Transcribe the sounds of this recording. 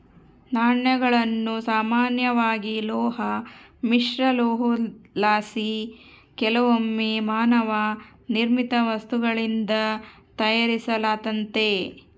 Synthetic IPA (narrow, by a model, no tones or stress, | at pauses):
naːɳjɐɡɐɭɐnːusaːmaːnjɐʋaːɡilɔːɦɐmiʂɾɐloːɦulaːsi | kɛlɐʋomːemaːnɐʋa | niɾmit̪ɐʋɐst̪uɡɐɭind̪ɐ | t̪ɐjaɾisɐlaːt̪ɐnt̪e